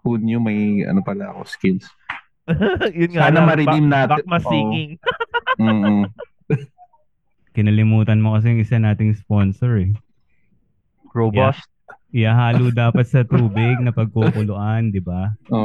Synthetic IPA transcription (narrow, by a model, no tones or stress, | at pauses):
kunjʊŋmɐjɐ̰nopɐlaɐko̰skɪns | jʊnŋaːnɐmɐɾɪimnaːtbamɐsiːkɪŋ̩ː | kɪnɐlɪmuːt̪ɐnmo̞kɐs̬ɛjʊŋʔɪsanaːt̪ɪŋspo̞nsoɹɛ | ɹobast̪̚ɪjaɦaːlud̪aːpɐt̪̚sɐt̪uːbɪɡ̚nɐpɐɡ̚kokʊlʊʔand̪ɪbao